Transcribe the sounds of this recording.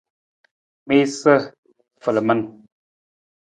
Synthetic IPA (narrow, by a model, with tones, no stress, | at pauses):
me˦sə˦ | fə˨lə˨mə˦n